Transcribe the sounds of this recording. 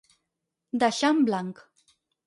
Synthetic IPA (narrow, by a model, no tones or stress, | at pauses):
d̪aʃamblaŋk